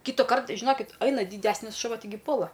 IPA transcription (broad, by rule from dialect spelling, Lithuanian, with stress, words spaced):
ˈkʲiːtʊkɐrt ʒʲɪˈnoːkʲɪt ˈɐɪnɐ dʲiːˈdʲæːsʲnʲɪs ʃʊˈʋɐ tʲɪˈɡʲɪ ˈpuɔlˠɐ